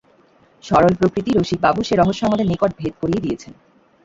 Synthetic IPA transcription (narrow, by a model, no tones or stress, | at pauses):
ʃɔɾolpɾokɾit̪iɾoʃik̚babuʃeɾɔɦoʃːɔŋod̪enekoʈ̚bʱed̪̚koɾijed̪ijet͡ɕʰen